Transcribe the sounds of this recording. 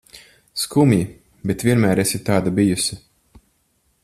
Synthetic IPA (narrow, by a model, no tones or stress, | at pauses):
skumji | bet̪vʲiɛnmæːɾɛsit̪aːd̪abijusʲi